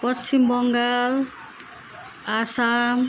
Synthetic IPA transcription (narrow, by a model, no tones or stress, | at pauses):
pɔt̪simbɔŋɡal | asam